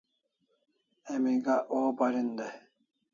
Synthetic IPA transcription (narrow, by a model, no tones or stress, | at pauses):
emiɡaʔobɐɾind̪e